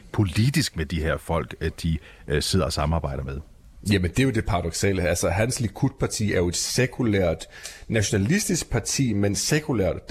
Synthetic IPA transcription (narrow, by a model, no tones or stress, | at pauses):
pʰo̝lid̥isɡ̥med̥iɦeɐ̰fɒ̽l̰ɡ̥d̥i | se̝ð̞̰ˠɐɒ̽sɑ̈mɑ̈ːb̥ɑ̈ɪ̰d̥ɐmeðˠ | jæmend̥e̝æjo̝d̥e̝pʰɑ̈ʁɑ̈d̥ɒ̽ɡ̥sɛ̰ːləælsəɦænslikʰud̥̚pʰɑ̈t͡sʰḭːæɐjo̝e̝d̥sekʰulæɐ̰d̥næɕo̝nælisd̥isɡ̥̚pʰɑ̈t͡sʰḭːmensekʰulæɐ̰d̥